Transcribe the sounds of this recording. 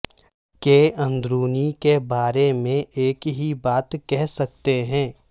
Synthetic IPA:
keːʔɐ̃nd̪ɾuːnikebaːɾemẽʔeːkɦibaːt̪kɛɦsɐk̚t̪eɦɛ̃ː

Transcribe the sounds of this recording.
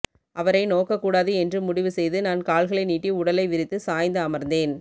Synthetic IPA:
ʔɐʋɐɾɐɪnoːkɐkːuːɽaːðɯɛndrɯmʊɽɪʋɯsɛjðɯnaːnkaːɭɣɐɭɐɪniːʈːiʊɽɐlɐɪʋɪɾɪt̪ːɯsaːjnd̪ɯɐmɐɾnd̪eːn

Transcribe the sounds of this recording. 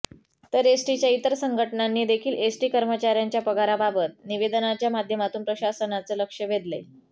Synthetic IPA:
t̪əɾesʈit͡ɕjait̪əɾsəŋɡʱəʈɳanːiːd̪ekʰiːlesʈiːkəɾmət͡ɕaɾjaɲt͡ɕjapəɡaɾababət̪̚niʋed̪ənat͡ɕjamad̪ʱjəmat̪uːnpɾəɕasənat͡sələkʂəʋʱed̪le

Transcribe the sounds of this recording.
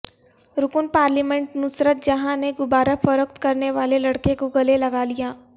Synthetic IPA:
ɾʊkʊnpaːɾlimɛ̃ɳʈnʊsɾət̪̚d͡ʒɐɦãneɡʊbaːɾəfɐɾək̚t̪kɐɾneʋaːlelɐɽkekoɡɐlelɐɡalijaː

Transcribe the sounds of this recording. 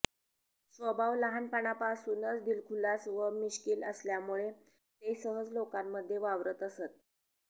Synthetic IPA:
sʋəbʱaʋləɦanpaɳapasunət͡sd̪ilkʰulasʋəmiɕkiːləsljamuɭe | t̪esəɦəd͡zlokamːəd̪ʱːjeʋaʋɾət̪əset̪̚

